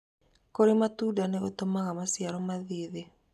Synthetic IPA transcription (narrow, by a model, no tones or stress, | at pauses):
koɾemat̪uːdaneot̪omaɣamasjaɾɔmaðiːðe